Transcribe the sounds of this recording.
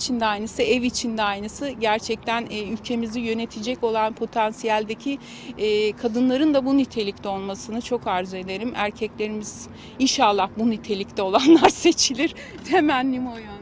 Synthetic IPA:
t͡ʃʰind̪ɛajnɯsɯɛvit͡ʃʰind̪ɛajnɯsɯɟæɾt͡ʃʰɛc̚t̪ʰænːylʲcʰe̞mizijø̞ne̞t̪ʰid͡ʒɛco̞lˠanpʰo̞t̪ʰansijælʲd̪e̞cʰiː | kʰad̪ɯnlˠaɾɯnd̪abunyt̪ʰe̞lʲict̪ʰʲɛo̞lˠmasɯnɯt͡ʃʰo̞kʰaɾzue̞d̪e̞ɾimæɾcʰɛclʲe̞ɾimiz̥ | inʃalˠːahbunyt̪ʰe̞lʲict̪ɛo̞lˠanlˠaɾse̞t͡ʃʰilʲiɾ̥ | t̪ʰe̞mænːʲimojon

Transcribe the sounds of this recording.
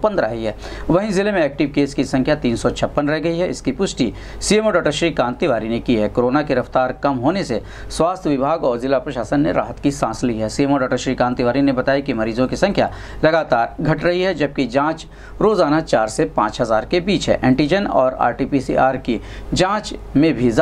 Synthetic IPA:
pɐ̃nd̪ɾaɦiɦɛː | ʋɐɦizɪlemẽɛːk̚ʈɪʋkeːskisɐ̃ŋkʰjat̪iːnsɔt͡ʃʰɐpːənɾɛɦɡɐiɦɛɪskipʊʃʈi | siemɔːɖɔːʈəɾʃɾikãːnt̪iʋaːɾinekiɦɛːkoːɾoːnakeɾɐft̪aːɾkɐmɦoːnese | swaːst̪ʰəʋɪbʱaːɡɔːɾzɪlapɾɐʃaːsənːḛɾa̰ːɦət̪kisãːsliɦɛsiemoːɖɔːʈəʃɾikãːnt̪iʋaːɾinebɐt̪aːikimɐɾiːzõkisɐ̃ŋkʰja̰ | lɐɡaːt̪aːɾɡʱɐʈɾɐɦiɦɛd͡ʒɐb̚kid͡ʒãːt͡ʃ | ɾoːzaːnat͡ʃaːɾsepãːt͡ʃɦɐzaːɾkebiːt͡ʃɦɛ̰ʔɛ̃ːɳʈid͡ʒənɔːɾa̰ːɾʈiːpisḭaːɾki | d͡ʒãːt͡ʃmẽbʱiz

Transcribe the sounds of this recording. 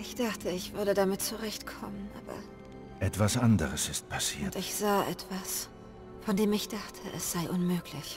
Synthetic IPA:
ʔɪçd̥aχtʰəɪçv̥ʏɐɾədamɪt̚t͡suʁɛçtkʰɔmənʔa̰ːbɐ̰ | ʔɛtv̥asʔandəʁəsɪst̚pʰasiːtɪçz̥aːʔɛtv̥as | fɔndeːmɪçd̥aχtʰəʔɛsz̥aɪʔʊnmøːklɪç

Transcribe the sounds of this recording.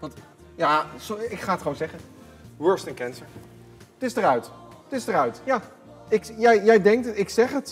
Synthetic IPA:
ʋɑnt | jaːsoɪkχaːətχownzɛχən | wɜɹstə̃nkɛnsəɹ | tɪsdərœɥtətɪsdərœɥtjaː | ɪkjɛjjɛjdɛŋk̚tɪksɛχət

